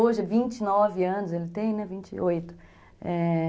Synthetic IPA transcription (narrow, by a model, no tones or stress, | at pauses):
oʒɪɛvĩt͡ʃɪnɔvɪɐ̃nʊzelɪt̪ẽj̃nɛvĩt͡ʃɪ̰ojt̪ʊ̥ | ɛ